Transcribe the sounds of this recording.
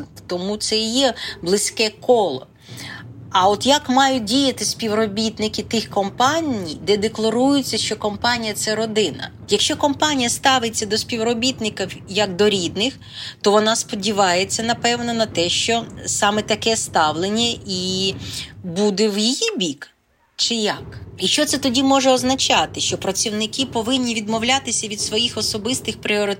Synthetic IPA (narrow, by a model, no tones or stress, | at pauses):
t̪ɔmut̪sɛjɛblˠɪsʲkɛkɔlˠɔ | ɐɔt̪jɐkmɑjʊdʲijɐt̪ɪsʲpʲiwrɔbʲit̪nɪkʲɪt̪ɪxkɔmpɑnʲijd̪ɛd̪eklˠɐɾujʊt͡sʲːɐʃt͡ʃɔkɔmpɑnʲijɐt̪sɛɾɔd̪ɪnɐ̰ | jɐkʃt͡ʃɔkɔmpɑnʲijɐst̪ɑʋɪt͡sʲːɐd̪ɔspʲiwrɔbʲit̪nɪkɐwjɐkd̪ɔɾʲid̪nɪx | t̪ɔʋɔnɑspɔdʲiʋɑjet͡sʲːɐnɐpɛwnɔnɐt̪ɛʃt͡ʃɔsɑmɛt̪ɐkɛst̪ɑʋlˠenʲːɐi | bud̪ɛwjijibʲik | t͡ʃɪjɐkiʃt͡ʃɔt̪sɛt̪ɔdʲimɔʒɛɔznɐt͡ʃɑt̪ɪʃt͡ʃɔpɾɐt͡sʲiwnɪkɪpɔʋɪnʲːiʋʲid̪mɔwlʲat̪ɪsʲɐʋʲid̪sʋɔjixɔsɔbɪst̪ɪxpɾʲɪɔɾɪ